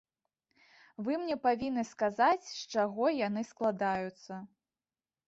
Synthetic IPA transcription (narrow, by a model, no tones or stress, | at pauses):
vɨmnʲɛpavʲinːɨskazat͡sʲʂt͡ʂaɣɔjanɨsklˠad̪ajut̪sːɐ